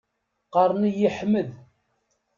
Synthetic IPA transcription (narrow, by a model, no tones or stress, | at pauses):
qɑɾˤnijiħməð